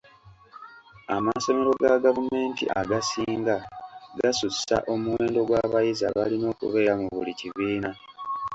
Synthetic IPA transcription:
amaso̞me̞ɾo̞ɡaɡavume̞ːntḭʔaɡasiːŋɡaɡasusa̰ʔo̞muwe̞ːndo̞ɡwaβajiza̰βalino̞ːkṵβe̞ːɾamuβuliciβiːna

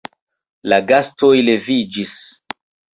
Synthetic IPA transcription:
laɡasto̞jle̞vid͡ʒis

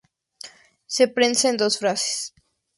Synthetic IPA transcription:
sepɾenseend̪o̞sfɾase̥s

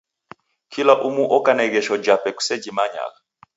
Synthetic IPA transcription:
kʰilaʔumuʔɔkanɛɣɛʃɔd͡ʒapɛku̥sɛd͡ʒimaɲa̰ɣa

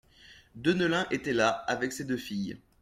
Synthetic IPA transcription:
d̪ønəlɛ̃ʔet̪ɛlaavɛksed̪øfij

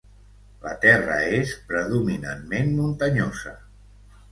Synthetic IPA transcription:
lət̪ɛrə̰espɾəðumina̰nmenmunt̪əɲozə

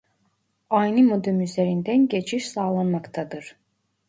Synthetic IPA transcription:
ɑjnimod̪ømyzeɾind̪ænɟet͡ʃʰiʃsaːlˠanmakt̪ʰɑd̪ɯɾ̥

